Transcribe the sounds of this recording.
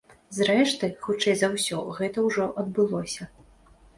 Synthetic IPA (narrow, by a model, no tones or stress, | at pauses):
zɾɛʂt̪ɨxut͡ʂɛjzɐwsʲɔɣɛt̪ɐwʐɔʔɐd̪̚bɨlˠɔsʲɐ